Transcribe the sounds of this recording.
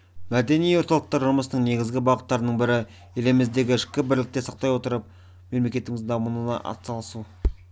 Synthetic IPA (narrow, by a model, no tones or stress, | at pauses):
mæd̪e̞nijwo̞ɾt̪ɑlˠəq̚t̪ɑɾʒʊɾməsənəɴne̞ɡʲɪzɡʲɪbɑʁət̪ːɑɾənəɴbɪɾɪ | elemɪzd̪e̞ɡʲɪɪʃkʲɪbɪɾlɪk̚t̪e̞sɑq̚t̪ɑjwo̞t̪əɾəp̚ | me̞mle̞kʲe̞t̪ɪŋɪzd̪ɑmənənɑ̰ʔɑ̰t̪sɑlˠəsu